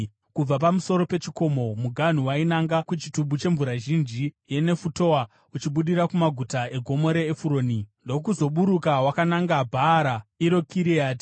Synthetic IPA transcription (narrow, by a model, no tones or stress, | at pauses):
kub͡vapamuso̞ɾo̞pe̞t͡ʃiko̞mo̞muɡʱan̤uwainaŋɡakut͡ʃituɓut͡ʃe̞ɱvuɾaʒind͡ʒije̞ne̞futo̞wa | ut͡ʃiɓuɗiɾakumaɡʱutae̞ɡʱo̞mo̞ɾe̞ːfuɾo̞ːnindo̞k̬uzo̞ɓuɾukawakanaŋɡabʱaːɾaiɾo̞kʰiɾiaːti̥